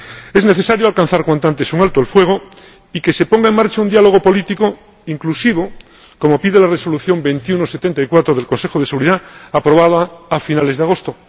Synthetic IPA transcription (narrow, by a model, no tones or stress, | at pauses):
e̞zne̞θe̞saɾjoalkan̟θaɾkwant̪oant̪e̞suŋalt̪oelfwe̞ɣ̞o | ike̞se̞po̞ŋɡae̞ŋmaɾt͡ʃaund̪jalo̞ɣ̞o̞po̞lit̪iko | iŋklusiβ̞o̞ | ko̞mo̞piðe̞lareso̞luθjo̞mbe̞nt̪junoset̪e̞nt̪aikwat̪ɾoðelkonse̞xoð̞e̞seɣuɾiðaapɾo̞βað̞oaafinale̞zðeaɣ̞o̞st̪o